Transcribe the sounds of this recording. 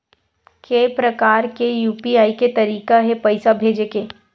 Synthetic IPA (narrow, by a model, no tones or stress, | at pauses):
keːpɾɐkaːɾkejuːpiaːiket̪ɐɾiːkaɦɛpɐɪsabʱeːd͡ʒekeː